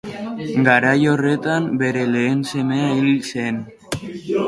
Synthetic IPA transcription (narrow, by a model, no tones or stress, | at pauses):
ɡaɾajore̞t̪ambe̞ɾe̞le̞ːnse̞me̞ailsen